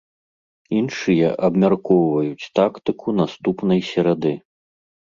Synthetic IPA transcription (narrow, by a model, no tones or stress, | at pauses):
inʂɨjɐʔɐbmʲarkɔwvɐjut͡sʲt̪akt̪ɨkʰunast̪upnɐjsʲɛɾad̪ɨ